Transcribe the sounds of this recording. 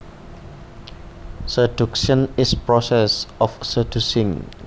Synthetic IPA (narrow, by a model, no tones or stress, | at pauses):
sədukʃə̃nispɹɔsɛsɔfsədusĩŋ